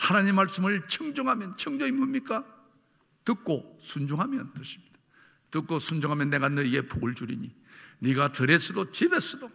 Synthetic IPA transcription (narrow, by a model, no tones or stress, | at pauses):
hanaɲimmːaɭs͈ɯmɯɭt͡ɕʰɯŋd͡ʑoŋɦamjʌnt͡ɕʰʌŋd͡ʑoŋimbumɲik͈a | tɯk̚k͈osʰund͡ʑuŋɦamjʌntɯɕʰi̥mɲid̥ḁ | tɯk͈̚osʰund͡ʑuŋɦamjʌnːe̞ɡanʌiɡe̞poɡɯɭd͡ʑuɾḭɲi | niɡatɯɾes͈ʰʌdot͡ɕibes͈ʌdo